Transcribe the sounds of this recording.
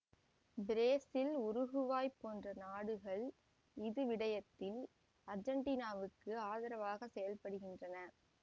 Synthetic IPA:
bɪɾeːsɪlʊɾʊɣɯʋaːjpoːndrɐnaːɽɯɣɐɭ | ɪðɯʋɪɽɐjɐt̪ːɪl | ɐɾd͡ʒɐɳʈiːnaːʋɯkːɯaːðɐɾɐʋaːɣɐsɛjɐlpɐɽɯɣɪndrɐnɐ

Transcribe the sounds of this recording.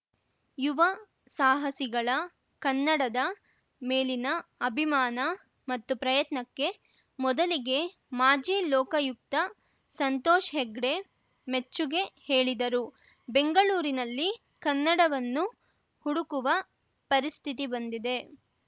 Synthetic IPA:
juʋɐ | saːɦɐsiɡɐɭɐ | kɐnːɐɽɐd̪ɐ | me̞ːlinɐːbʱimaːnɐ | mɐt̪ːupɾɐjɐt̪nɐkːe̞ | mɔd̪ɐliɡe̞ | maːd͡ʒiːlɔːkɐjuk̚t̪ɐ | sɐnt̪ɔːʃɦeɡɽe̞ | met͡ʃːuɡe̞he̞ːɭid̪ɐɾu | be̞ŋɡɐɭuːɾinɐlːi | kɐnːɐɽɐʋɐnːu | huɽukuʋɐ | pɐɾist̪ʰit̪̬ibɐnd̪id̪e̞

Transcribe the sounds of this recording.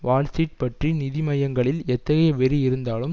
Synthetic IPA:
ʋaːlsiʈ̚pɐʈrinɪðɪmɐjɐŋɡɐɭɪlɛt̪ːɐɣɐjɐʋɛɾiɪɾɯnd̪aːlɯm

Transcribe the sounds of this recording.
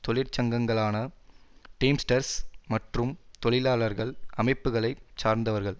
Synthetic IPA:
t̪ɔɭɪɾt͡ʃɐŋɡɐŋɡɐɭaːnɐ | ʈeːmsʈɐɾsmɐʈrɯmt̪ɔɭɪlaːlɐɾɣɐɭɐmɐɪpːɯɣɐɭɐɪt͡ʃaːɾnd̪ɐʋɐɾɣɐɭ

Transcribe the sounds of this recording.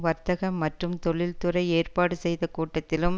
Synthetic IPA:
ʋɐɾt̪ɐɣɐmːɐʈrɯmt̪ɔɭɪlt̪ʊrɐɪeːrpaːɽɯsɛjðɐkuːʈːɐt̪ːɪlɯm

